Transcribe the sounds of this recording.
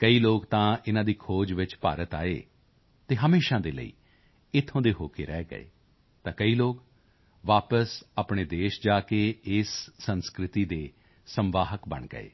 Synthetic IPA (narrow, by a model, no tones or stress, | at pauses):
kəiːloːkt̪ãːɪnãːd̪iːkʰoːd͡ʒʋɪt͡ʃpa̰ːɾət̪a̰ːeː | t̪eːɦəmeːʃãːd̪eːlə̰ḭː | ɪt̪ʰːõːd̪eːɦoːkeːɾɛːɡə̰ḛː | t̪ãːkəiːloːk | ʋaːpəsaːpɳeːd̪eːʃd͡ʒaːkeːɪsːənskɾɪt̪iːd̪eː | səmʋaːɦəkbə̰ɳɡə̰ḛː